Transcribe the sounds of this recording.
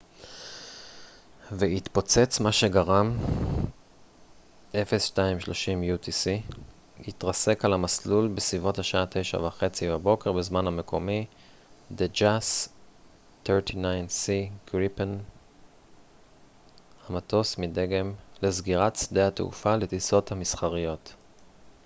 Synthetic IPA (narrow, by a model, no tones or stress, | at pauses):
veit̪po̞t͡se̞t͡smaʃe̞ɡaʁam | e̞fe̞sʃtaimʃlo̞ʃimjut̪ʰisi | hit̪ʁase̞kalamaslulbesivo̞thaʃaat̪ʰe̞jʃa̰vaχe̞t͡sibabo̞ke̞ʁbezmaname̞kʰo̞mi | d̪ed͡ʒas | t̪eɾtʰinajnsiɡ̥ʁipen | hamato̞smide̞ɡe̞mlezɡiʁatt͡sdeatḛṵfalet̪iso̞thamisχaʁijo̞t